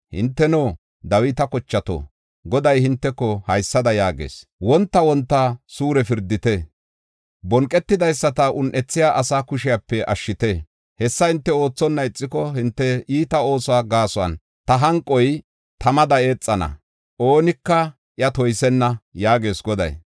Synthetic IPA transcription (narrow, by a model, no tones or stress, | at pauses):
hɪnt̪ːɛnoː | d̪ɐwɪt̪ɐkɔt͡ʃːɐt̪o̰ː | ɡɔd̪ɐjhɪnt̪ːɛkːɔhɐjsːɐd̪ɐjaːɡḛːswɔnt̪ːɐwɔnt̪ːɐsuːɾɛfɪɾd̪ːɪt̪e | bɔŋkʼɛt̪ːɪd̪ɐjsːɐt̪ɐʔʊnʔɛt͡sːɪjaːʔɐsaːkʊʃɪjapːɛʔɐ̰ʃːɪt̪e | hɛsːɐhɪnt̪ːɛo̞ːt͡sːɔnːɐɪt͡sʼːɪkɔhɪnt̪ːɛiːt̪ɐo̞ːsaːɡaːsʊɐ̰n | t̪ɐɦɐŋkʼːɔj | t̪ɐmɐd̪ɐeːt͡sʼːɐnɐ̰ | ʔo̞ːnɪkːɐ | ʔjɐt̪ɔjsɛnːɐjaːɡe̞ːsɡɔd̪ɐ̰j